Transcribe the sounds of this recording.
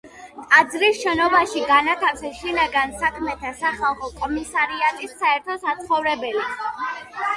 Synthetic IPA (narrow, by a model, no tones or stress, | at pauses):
k̪ʼad̪zɾisʃɛnɔbaʃiɡanat̪ʰafsɛsʃinaɡansakʰmɛt̪ʰasaχalˠχɔkʼɔmisaɾiat̪ʼisːaɛɾt̪ʰɔsat̪sχɔvɾɛbɛli